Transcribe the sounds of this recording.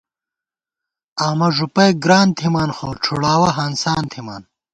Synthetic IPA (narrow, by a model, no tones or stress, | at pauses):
aːmɐʐupɐjɡɾaːnt̪ʰimaːnxoːʈ͡ʂʰuɽaːwɐɦansaːnt̪ʰima̰ːn